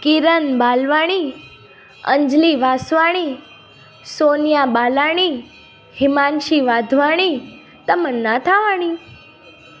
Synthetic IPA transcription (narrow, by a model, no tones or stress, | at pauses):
kiɾənbalʋaɽ̃i | ə̰ɲd͡ʒliʋasʋaɽ̃i | sonjabalaɽ̃i | hɪmanʃiʋad̪ʱʋaɽ̃i | t̪əmənːãt̪ʰaʋaɽ̃i